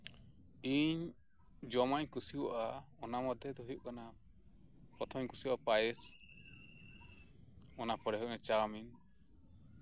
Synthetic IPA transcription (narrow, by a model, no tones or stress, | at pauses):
iɲ | d͡ʒɔmaɲkusiwʔaɔnamɔd̪ʱjɔd̪ɔɦujuʔkana | pɾɔt̪ʰɔmɲkusiwʔapajɛs | ɔnapɔɽɛɦɔjʔmɛt͡ʃamin